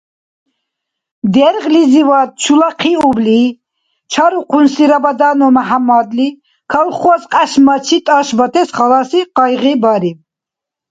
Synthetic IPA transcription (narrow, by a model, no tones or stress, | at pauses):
d̪ɛɾʁlizivat̪̚t͡ʃʰulaqʰiubli | t͡ʃʰaɾuqʰunsiɾabad̪anɔmaɦamːad̪li | kʰalχɔsqʼaʃmat͡ʃʰit̪ʼaʃbat̪ʰɛsχalasiqɑjʁibaɾi